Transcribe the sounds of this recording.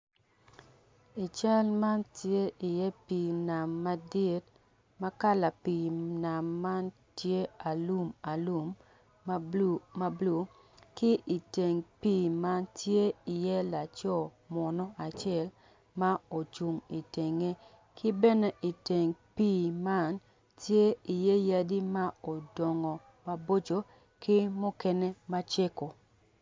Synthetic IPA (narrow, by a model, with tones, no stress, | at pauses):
i˨t͡ʃa˦lma˦ntje˦ʔi˨jɛ˦piː˨na˨mːa˨di˦t̚ | ma˦ka˦la˨pi˨na˨mːa˦n | tje˦a˨lu˦ma˨lu˦m | ma˦blu˨ | kɪ˦ʔi˨te˨ŋpiː˦˨ma˦ntje˦i˨jɛ˦la˨t͡ʃɔ˦˨ | mɔ˨nɔ˦a˨t͡ʃɪ˦ɛ˦˨l | ma˦o˨t͡ʃu˨ŋi˨te˨ŋe˦ | kɪ˦bɛ˦nɛ˦ʔi˨te˨ŋpiː˦˨ma˦n | tje˦i˨je˦ja˦di˦ma˦o˨dɔ˨ŋɔ˨ | ma˨bo˦t͡ʃo˨ | kʰɪ˦mɔ˦kɛ˦ne˦ma˦t͡ʃe˦ko˨